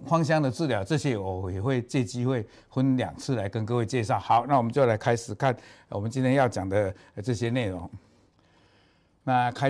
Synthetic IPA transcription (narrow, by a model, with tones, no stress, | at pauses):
xwɑ˥ŋɕ̬jɑ˥ŋd̪ə˨t͡sɹ̩˥˩ljɑ˨˩ʊʈ͡ʂɤ˥˧˩ɕjɛ˦wɔ˨˩jɛ˨˩xwe˥˧ɪt͡ɕjɛ˥˧t͡ɕi˥xwe˥˨ɪ | xwə˦˥nlja̰˨˩ŋt͡sʰɹ̩˥˩la˨˦ɪkə˦nkɤ˥˧we˥˧ɪt͡ɕjɛ˥˧ʂɑ˥˩ʊha˨˦ʊna˥˩wɔ˨˩mə˦nt͡ɕjo˥˩ʊla˨˧˦ɪkʰa˥ɪʂɻ̩˨˩kʰa˥˨nwɔ˨˩mə˨˦nt͡ɕi˦nt̪ʰjɛ˥jɑ˥˩ʊt͡ɕja˨˩ŋd̪ə˦ʈ͡ʂɤ˥˧˩ɕjɛ˦ne˥˩ɪɻo˨˧˦ŋ | na˥˧kʰa˦ɪ